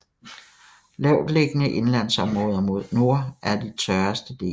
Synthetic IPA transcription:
lɛʊd̥le̝ɡ̥ənəʔe̝nlæn̰sɒ̽mʁɔ̽ːð̞ˠɐmo̝ð̞̰ˠno̝ɐ̰ʔæɐd̥it͡sʰɶɐsd̥əd̥e̝̰ː

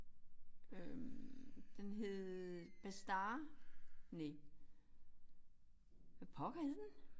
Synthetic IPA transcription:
ømd̥enɦe̝ðˠb̥æsd̥ɑː | ne | pʰɒ̽ɡ̥heðˠd̥en

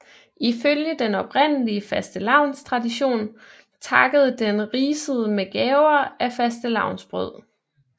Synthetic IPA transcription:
ʔiføljəd̥enɒ̽b̥ʁen̰əliəfæsd̥əlɑ̈ʊ̰nst͡sʰʁɑ̈diɕo̝̰ːn | t͡sʰɑ̈ɡ̥əð̞̩ˠd̥enʁiːsəð̞ˠəmeɡ̥ɛːʊɐʔæfæsd̥əlɑ̈ʊ̰nsb̥ʁœð̞̰ˠ

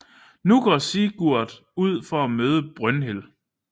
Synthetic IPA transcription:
nuɡ̥ɒ̰ːsiːɡ̥uɐ̰ðˠ | uð̞̰ˠfɒæmøːð̞ˠəb̥ʁœnɦel

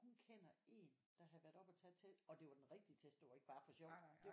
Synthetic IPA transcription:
hunkʰenɐe̝̰ːn | d̥ɑ̈ɦæðˠʋæɐd̥ɒ̽b̥ɒt͡sʰɛ̰̥ːt͡sʰed̥ɒ̽d̥e̝ʋɑ̈d̥enʁɛɡ̥̚d̥iət͡sʰesd̥əʋɑ̈e̝ɡ̥əb̥ɑ̈ːfɒ̽ɕɒʊd̥e̝

